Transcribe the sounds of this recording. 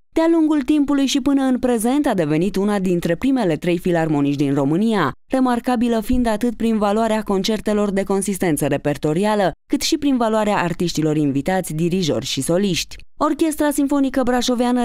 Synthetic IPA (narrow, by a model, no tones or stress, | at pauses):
d̪̥ealuŋɡult̪impulujʃipɨnəɨnpɾe̞ze̞nt̪ad̪e̞ve̞nit̪unad̪int̪ɾe̞pɾime̞le̞t̪ɾe̞jfilarmo̞niʃʲd̪inro̞mɨnija | re̞markabiləfind̪at̪ɨt̪̚pɾinvaluaɾeako̞nt͡ʃe̞rt̪e̞lo̞rd̪e̞ko̞nsist̪e̞nt̪səɾe̞pe̞rt̪o̞ɾialəkɨt̪ʃipɾinvaluaɾeaʔːrt̪iʃt̪ilo̞ɾinvit̪at̪sʲd̪iɾiʒo̞̰rʲʃiso̞liʃt̪ʲo̞rkʲe̞st̪ɾasiɱfo̞nikəbɾaʃo̞veanə